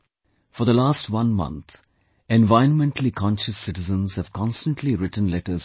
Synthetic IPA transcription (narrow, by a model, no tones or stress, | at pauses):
fɔ˞ðəlaːstwʌ̃nmʌ̰̃nt̪ | ɛ̃nvaɪə̃nmɛ̃nʈəlikʰɔ̃nʃəsɪʈɪzə̃nz̥həv̥kʰɑ̃nstə̃nʈʰliɾɪʈn̩lɛʈəz